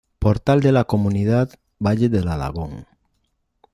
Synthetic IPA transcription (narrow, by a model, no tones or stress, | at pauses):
poɾt̪ald̪elako̞mũnið̞að | baʎeðelala̰ɣ̞oŋ